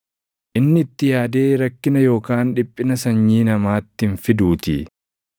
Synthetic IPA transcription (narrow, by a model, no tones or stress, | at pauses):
ʔɪnːɪːt̪ːɪjaːd̪e̞ːɾɐkːɪnɐjo̞ːkaːnᶑɪpʼːɪnɐsɐɲːiːnɐmaːt̪ːɪnfɪd̪uːt̪ɪ̰